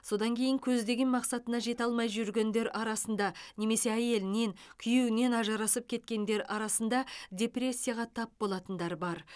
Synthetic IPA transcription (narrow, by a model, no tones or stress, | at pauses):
so̞d̪ɑŋkʲʰe̞jɪŋkʲʰɵzd̪e̞ɡʲenmɑqsɑt̪ənɑʒe̞t̪ɑlˠmɑjʒʏɾɡʲe̞nd̪e̞ɾɑɾɑsənd̪ɑne̞me̞se̞æje̞lɪne̞ŋkʲʰʏjewɪne̞nɑʒɑɾɑsəp̚kʲʰe̞t̪kʲe̞nd̪e̞ɾʔɑɾɑsənd̪ɑdʲe̞prʲe̞sʲːijaʁɑt̪ʰɑp̚bo̞lˠɑt̪ənd̪ɑɾbɑɾ